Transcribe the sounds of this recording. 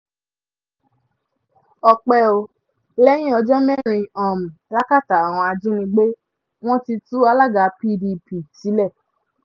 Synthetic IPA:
ɔ˧k͡pɛ˧˦o˧ | lɛ˦j̃ĩ˦ɔ˧d͡ʒɔ˦mɛ̃˦˨ɾ̃ĩ˧ɔ˨mĩ˨la˦ka˦˨ta˨a˨w̃ɔ̃˧a˧d͡ʒĩ˦nĩ˧ɡ͡be˦ | w̃ɔ̃˦ti˧tu˦a˧la˦˨ɡa˨˦pi˦˧di˧pi˨ti˨˦lɛ˦˨

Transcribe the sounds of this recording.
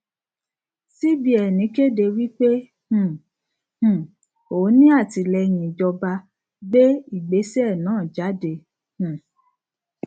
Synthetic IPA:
si˦bi˦ɛ˨nĩ˨˦ke˦de˧wi˦k͡pe˦ | h̩˦˨ | h̩˦˨ | o˨˦nĩ˦a˦˨ti˧lɛ˧ɲĩ˨d͡ʒɔ˧ba˧ | be˦i˦˨ɡ͡be˨˦sɛ˦˨nãː˨˦˨d͡ʒa˨˦de˧˦ | h̩˦˨

